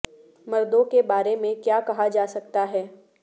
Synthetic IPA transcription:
mɐɾd̪õkebaːɾemẽkjaːkɐɦad͡ʒaːsɐkt̪aɦɛː

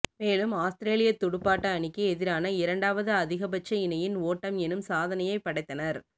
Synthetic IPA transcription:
meːlɯmaːst̪ɪɾeːlɪjɐt̪ːɔɽɯpːaːʈːɐːɳɪkːɯɛðɪɾaːnɐɪɾɐɳɖaːʋɐðɯɐðɪɣɐbɐt͡ʃːɐɪnɐjɪnoːʈːɐmɛnɯmsaːðɐnɐjɐɪpːɐɽɐɪt̪ːɐnɐɾ

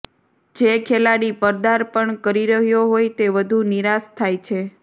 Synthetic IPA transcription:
d͡ʒekʰelaɽipəɾd̪aɾpəɳkəɾiɾəɦjoɦojt̪eʋəd̪ʱuniɾast̪ʰajt͡ʃʰe

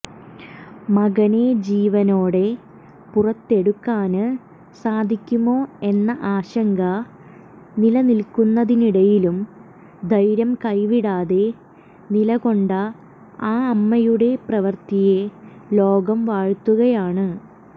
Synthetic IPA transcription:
mɐɣɐne̞d͡ʑiːʋɐno̞ːɽe̞ | purɐt̪ːe̞ɽukːaːnɨ | saːd̪ʱikʲːumo̞ːe̞nːɐʔaːɕɐŋɡɐ | nilɐnilkunːɐðiniɽɐjilum | d̪ʱɐjɾɐmkɐjʋiɽaːðe̞ | nilɐɣo̞ɳɖɐ | aːɐmːɐjuɽe̞prɐʋɐrt̪ije̞lo̞ːɡɐmʋaːɻt̪ːuɣɐjaːɳɨ

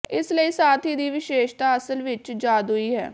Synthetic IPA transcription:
ɪsləiːsaːt̪ʰiːd̪iːʋɪʃeːʃt̪aːəsəlʋɪt͡ʃd͡ʒaːd̪ɦʊiːɦɛ̰ː

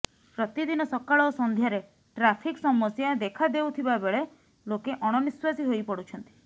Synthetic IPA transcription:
pɾɔt̪id̪inɔsɔkaɭɔːsɔnd̪ʱjaɾe | ʈɾapʰiksɔmɔsjad̪ekʰad̪ewt̪ʰibabeɭe | lokeʔɔɽ̃ɔniswasiɦojpɔɽut͡ʃʰɔnt̪i̥

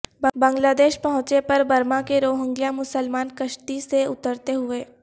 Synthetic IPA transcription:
bbɐ̃ŋɡlaːd̪eːʃpɐɦʊ̃t͡ʃepɐɾbɐɾmãkeɾoːɦə̃ŋɡijãmʊsəlmaːnkəʃʈiseʊt̪əɾt̪eɦʊeː

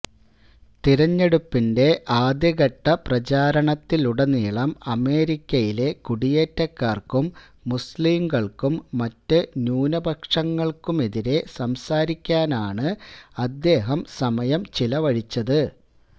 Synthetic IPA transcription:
t̪iɾɐɲːe̞ɽupːinde̞ʔaːd̪jɐɣɐʈːɐprɐt͡ɕaːɾɐɳɐt̪ːiluɽɐniːɭɐmɐme̞ːɾikʲːɐjile̞kuɽije̞ːtːɐkːaːrkumː | usliːmɡɐɭkumːɐtːɨnjuːnɐbʱɐkʂɐŋːɐɭkumeðiɾe̞sɐmsaːɾikʲːaːnaːɳɨɐd̪ːe̞ːɦɐmsɐmɐjɐmt͡ɕilɐʋɐɻit͡ɕːɐðɨ

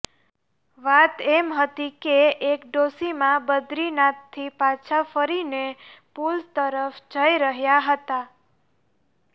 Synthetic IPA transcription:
ʋat̪ɛmɦət̪ikeekɖosimãbəd̪ɾinãt̪ʰːipat͡ʃʰafəɾinepulst̪əɾəfd͡ʒəiɾəɦjaɦət̪a

